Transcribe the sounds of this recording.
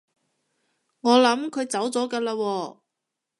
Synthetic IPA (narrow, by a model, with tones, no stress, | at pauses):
ŋɔː˨˧lɐ˨˥mkʰɵ˨˧ɥt͡sɐ˨˥wt͡sɔː˨˥kaː˧laː˧wɔː˧